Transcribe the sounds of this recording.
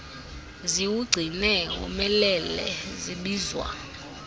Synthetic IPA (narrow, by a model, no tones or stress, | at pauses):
ziwuɡ͡ǀʱinɛṵmɛlɛlɛ̰ziɓiːzwa̰